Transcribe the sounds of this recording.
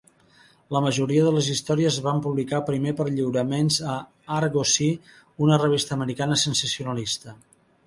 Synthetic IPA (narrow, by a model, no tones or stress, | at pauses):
ləməʒuɾiəðələzist̪ɔɾiəzβampuβlikapɾimepəɾʎiwɾəmenzə | aɾɣosi | unərəβist̪əːməɾikanəsənsəsiunəlist̪ə